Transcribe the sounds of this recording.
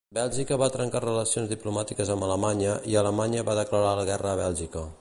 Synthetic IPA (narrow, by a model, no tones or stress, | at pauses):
bɛlˠʒikəβat̪ɾəŋkarələsionzðiplumat̪ikəzəmbələmaɲəʔiələmaɲəβaðəkləɾaləɣɛrəːβ̞ɛlˠʒikə